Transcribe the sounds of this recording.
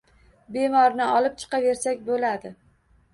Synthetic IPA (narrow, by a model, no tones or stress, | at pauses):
be̞mɒɾnɪɒlˠɪp̚t͡ʃʰɨ̥qɑve̞ɾsakʲbolad̪ɪ